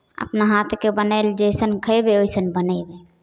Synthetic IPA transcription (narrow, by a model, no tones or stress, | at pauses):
ə̰pnaɦat̪ʰkebənəɪld͡ʒəjsənkʰəebeojsənbənəbe